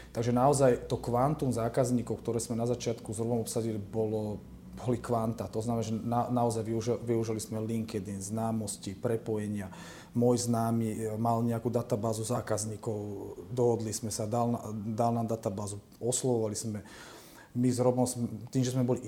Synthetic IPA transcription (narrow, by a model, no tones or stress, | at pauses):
t̪aɡʒɛnaɔzajt̪ɔkʋant̪umzaːkazɲiːkɔʊkt̪ɔɾɛːzmɛnazat͡ʃɪat̪kuzɾɔbɔmɔpsaɟilibɔlɔ | bɔlikʋant̪at̪ɔznamɛnaʒɛnanaɔzajʋiuʒʋiuʒilismɛliŋkɛd̪inznaːmɔscipɾɛpɔjɛɲɪa | mɔjznaːmimalɲɛakuːd̪at̪abaːzuzaːkazɲiːkɔʊd̪ɔɦɔd̪lismɛsad̪alnad̪alnaːmd̪at̪abaːzu | ɔslɔʋɔʋalizmɛ | mizɾɔbɔsmt̪iːmʒɛsmɛbɔli